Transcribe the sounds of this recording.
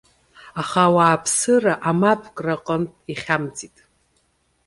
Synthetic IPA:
aχawaːpʰsɨraʔamapʰkʼraqʼəntʼiχʲamd͡zitʼ

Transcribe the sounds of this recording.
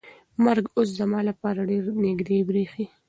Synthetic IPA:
maɾɡos̬zamɑlapɑɾaɖeɾnɪɡd̪ebɾexi

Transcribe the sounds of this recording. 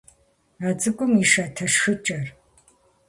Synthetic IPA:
at͡sʼɨkʷʼʊmiʃɐtʰɐʃxɨt͡ʃʼɐr

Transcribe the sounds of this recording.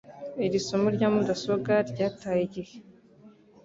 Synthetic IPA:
iɾisomuɾɟaːmudasoɡaɾɟaːtajiɟije

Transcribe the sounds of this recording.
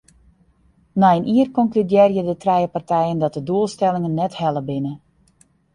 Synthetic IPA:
naənʔiərkɔŋklydjɪrjədətrɛjəpartʰɛjəndɔt̚dəduəlˠstɛlɪŋənːɛthɛləbɪnə

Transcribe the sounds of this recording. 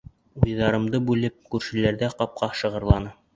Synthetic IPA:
ujðɑɾɤ̆md̪ɤbʉlɘp̚kʉɾʃɘ̆læɾdæqɑp̚qɑʃɤ̆ʁɤ̆ɾlˠɑnɤ

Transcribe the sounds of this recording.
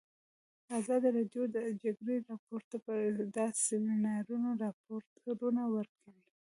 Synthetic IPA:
azɑd̪iɾɑɖjod̪əd͡ʒaɡɾeɾɑpoɾt̪apəd̪ɑsɪmɪnɑɾunoɾɑpoɾt̪ɾunawəɾkʰawi

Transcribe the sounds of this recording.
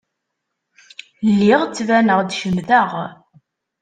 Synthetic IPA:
lːiʁt͡sːvænəʁd̪ʃəmðəʁ

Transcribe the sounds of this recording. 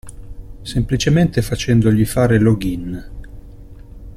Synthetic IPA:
semplit͡ʃement̪efat͡ʃɛnd̪oʎifaːɾeloɡin

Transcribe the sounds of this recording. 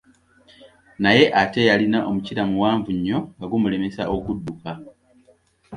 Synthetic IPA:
naje̞ʔate̞jalinaʔomuciɾamuwaːɱvuɲːo̞aɡumule̞me̞saʔokudːuka

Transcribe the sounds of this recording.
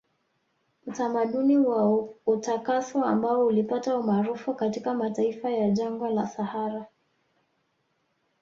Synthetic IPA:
mutamaɗuniwautakasɔambaɔulipataumaɾufukatikamataifajaʄaŋɡɔlasahaɾa

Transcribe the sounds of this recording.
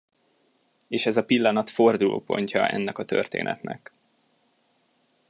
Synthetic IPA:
eːʃɛzɒpilːɒnɒt̪fo̞rd̪ulʔo̰ːpo̞̰ɲcɒʔɛ̰nːɛkɒt̪ø̰rt̪ḛːnʔɛ̰t̪nɛk

